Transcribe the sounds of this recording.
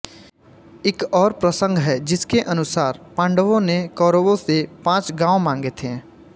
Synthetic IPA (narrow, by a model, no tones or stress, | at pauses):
ɪkɔːɾpɾəsə̃ŋɡɦɛd͡ʒɪskeʔɐnʊsaːɾpãːɳɖəʋõnekɔːɾobõsepãːt͡ʃɡãːomãːŋɡet̪ʰẽː